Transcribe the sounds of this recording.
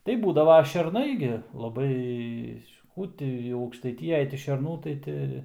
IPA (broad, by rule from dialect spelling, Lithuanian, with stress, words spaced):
tɐɪ ˈbuːdɐʋoː ʃʲɛrˈnɐɪ ɡʲɪ lˠɐˈbɐɪ ˈkuː tʲɪ jɛʊ ɐʊkʃtɐɪˈtʲɪjɛj tʲɪ ʃʲɛrˈnuː tɐɪ ˈtʲɪ